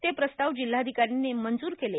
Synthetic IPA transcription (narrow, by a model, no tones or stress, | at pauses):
t̪epɾəst̪aʋd͡ʑil̤ːaəd̪ʱikaɾinːemənd͡zuːɾkele